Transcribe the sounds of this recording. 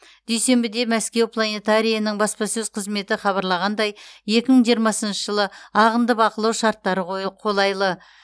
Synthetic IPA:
d̪̥e̞jse̞mbɪd̪e̞mæskʲe̞wpʰlˠane̞t̪aɾʲijanəɴbɑspɑsɵzqʰəzme̞t̪ɪχɑβɑɾlˠɑʁɑnd̪ɑjje̞kʲɪməɴʒijəɾmɑsənʃəʒəlˠəɑʁənd̪əbɑqəlˠɑwʃɑɾt̪ːɑɾəqʰo̞lˠɑjlˠə

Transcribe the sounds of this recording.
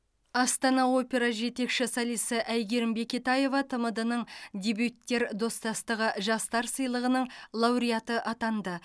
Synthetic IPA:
ɑst̪ɑnɑo̞pʲe̞ɾɑʒe̞t̪e̞kʃɪsɑlˠijsəʔæjɡʲe̞ɾɪmbe̞kʲet̪ɑje̞vɑt̪ʰəməd̪ənəɴd̪ʲe̞bʲjut̪ːe̞ɾd̪o̞st̪ɑst̪əʁəʒɑst̪ɑɾsəjlˠəʁənəɴlˠɑwɾijɑt̪əʔɑt̪ɑnd̪ə

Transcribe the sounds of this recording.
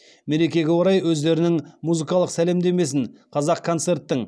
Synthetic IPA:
me̞ɾe̞kʲe̞ɡʲewoɾɑjwɵzd̪e̞ɾɪnɪŋmuzɨkɑlˠəqsæle̞md̪e̞me̞s̬ɪnqʰɑzɑq̚kʰːo̞nt̪se̞ɾt̪ːɪŋ

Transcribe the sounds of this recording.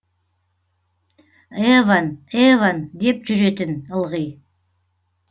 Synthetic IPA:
evanevand̪e̞p̚ʒʏɾe̞t̪ɪnəlˠʁəj

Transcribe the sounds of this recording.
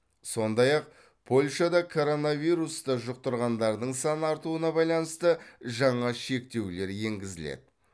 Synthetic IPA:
so̞nd̪ɑjɑq̚ | pʰo̞lʲʃɑd̪ɑkʰo̞ɾo̞navijɾust̪əʒʊq̚t̪əɾʁɑnd̪ɑɾd̪əɴsɑnəɑɾt̪uənɑbɑjlˠɑnəst̪əʒɑɴɑʃe̞kt̪e̞wle̞ɾje̞ŋɡʲɪzɪlḛd̪ɪ

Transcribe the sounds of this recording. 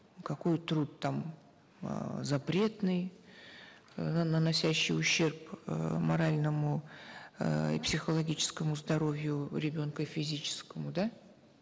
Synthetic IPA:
kɐko̞jt̪ɾut̪ːam | zɐpɾʲe̞t̪nɨj | ənənɐsʲæɕːɪ̰jʊɕːe̞rpmɐɾalʲnəmʊ̰ | ḭpsʲɪxəlˠɐɡʲit͡ɕɪ̥skəmʊzd̪ɐɾo̞vʲjʊɾʲɪbʲo̞nkəfʲɪzʲit͡ɕɪ̥skəmʊd̪a

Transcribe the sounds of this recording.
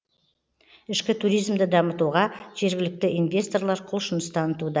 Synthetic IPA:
ɪʃkʲɪt̪ʰuɾijzmd̪ɪd̪ɑmət̪uʁɑʒ̥e̞ɾɡʲɪlɪk̚t̪ɪʔinvʲe̞st̪o̞rlˠɑɾqʰʊlˠʃʊnəst̪ʰɑnət̪ud̪ɑ

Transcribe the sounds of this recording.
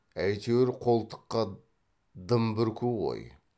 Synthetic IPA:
æjt̪ʰewɪɾqʰo̞lˠt̪ʰə̥qːɑ | d̪əmbɪɾkʲʰuʁo̰j

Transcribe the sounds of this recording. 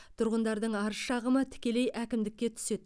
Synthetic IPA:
t̪ʰʊɾʁənd̪ɑɾd̪əɴɑɾəʃɑʁəmət̪ʰɪ̥kʲe̞le̞jækʲɪmd̪ɪk̚ʲːe̞t̪ʰʏ̥se̞d̪̚

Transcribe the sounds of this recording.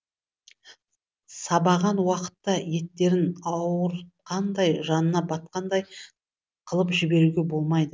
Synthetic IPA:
sɑbɑʁɑnwɑqə̥t̪ːɑje̞t̪ːe̞ɾɪnɑwəɾqɑnd̪ɑjʒɑnənɑbɑt̪̚qɑnd̪ɑj | qʰəlˠəpʒɪbe̞ɾuɡʲe̞bo̞lˠmɑjd̪ə

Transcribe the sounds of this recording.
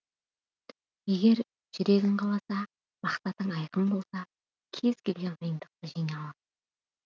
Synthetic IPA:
e̞ɡʲe̞ɾ | ʒ̥ʏɾe̞ɡʲɪɴqʰɑlˠɑsɑ | mɑqsɑt̪əɴɑjqəmbo̞lˠsɑ | kʲʰe̞z̥kʲʰe̞lɡʲe̞nʁəjənd̪əq̚t̪əʒijnɑlˠɑ

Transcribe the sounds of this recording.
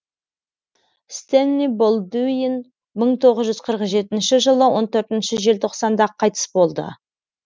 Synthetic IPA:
st̪enːibolˠd̪ujɪn | məɴt̪ʰo̞ʁəzʒʏzqʰəɾəqʒe̞t̪ɪnʃɪʒəlˠəwo̞nt̪ʰɵɾt̪ɪnʃɪʒe̞lt̪ʰo̞qsɑnd̪ɑqʰːɑjt̪ə̥sbo̞lˠd̪ə̰

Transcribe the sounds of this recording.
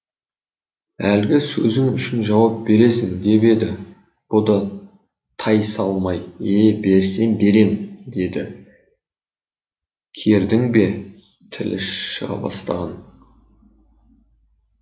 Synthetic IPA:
ælɡʲɪsɵzɪŋʏʃɪnʒɑwɑp̚be̞ɾe̞sɪŋd̪e̞be̞d̪ɪ | b̥ʊd̪ɑ | t̪ʰɑjsɑlˠmɑje̞be̞ɾse̞nbe̞ɾe̞md̪e̞d̪ɪ | kʲʰe̞ɾd̪ɪŋbe̞ | t̪ʰɪlʔɪʃʃəʁɑ̰bɑ̰st̪ɑ̰ʁɑn

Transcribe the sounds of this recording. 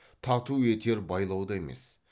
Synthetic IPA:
t̪ʰɑt̪uet̪ʰe̞ɾbɑjlˠɑwd̪ɑe̞mḛs

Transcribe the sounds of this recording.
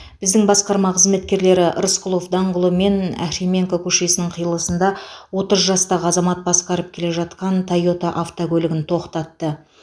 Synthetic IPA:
b̥ɪzd̪ɪŋbɑsqɑɾmɑqʰəzme̞t̪kʲe̞ɾle̞ɾɪʔə̰ɾsqʊlˠo̞fd̪ɑɴʁəlˠəme̞næ̰ɾemʲe̞ŋkokʲʰɵʃe̞sɪnɪɴqʰijəlˠəsənd̪ɑwo̞t̪əzʒɑst̪ɑʁəɑzɑmɑt̪̚bɑsqɑɾəp̚kʲʰe̞le̞ʒɑt̪qɑnt̪ʰajo̞t̪aʔaft̪okʲɵlɪɡʲɪnt̪ʰo̞qt̪ɑt̪ːə

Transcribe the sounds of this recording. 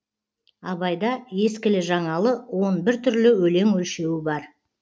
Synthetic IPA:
ɑβɑjd̪ɑje̞skʲɪlɪʒɑɴɑlˠəwo̞nbɪɾt̪ʰʏɾlɪwɵle̞ŋwɵlʃe̞wɪbɑɾ

